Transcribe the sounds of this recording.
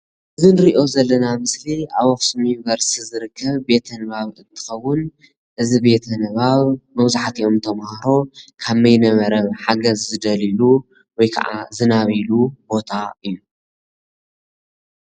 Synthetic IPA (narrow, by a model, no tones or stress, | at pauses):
ʔɨzɨnɨɾiʔo̞zɐlːɐnamɨsliaβɔxsumjunvɐɾst̪ʰizɨɾɨkʰːɐβbe̞t̪ʰɐnɨβaβɨnt̪ʰɨ̥xɐwːʊn | ʔɨzibe̞t̪ʰɐnɨβaβmɐβzaħat̪iʔo̞mt̪ʰɐmhaɾo̞kʰaβmɐjnɐβɐɾɐβħaɡɐzːɨd̪ɐlilu | wɔjkʰa̰ʕa̰zɨnaβilubo̞t̪ʰaʔɨjːu